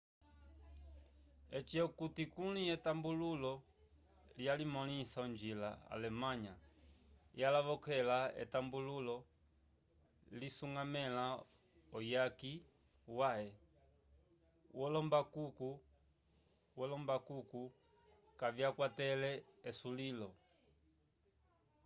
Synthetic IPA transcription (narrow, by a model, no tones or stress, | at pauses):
ɛt͡ʃiɔkutikuliɛtambululɔ | ljalimɔnisauɲd͡ʒilaa̰lɛmaɲa | jalavɔkɛlaɛ̰tambululɔ | lisuŋɡamɛla | ɔjaki | waɛ | wɔlɔmbakuku | wɔlɔmbakuku | kavjakwatɛlɛɛsulilɔ